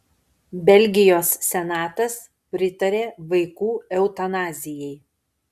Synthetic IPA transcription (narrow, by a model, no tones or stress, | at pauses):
bʲɛlʲɡʲɪjoːsːʲɛnɑːt̪ɐs | pʲɾʲɪt̪ɐɾʲeːʋɐɪkuːɛʊt̪ɐnɑːzʲɪjɛɪ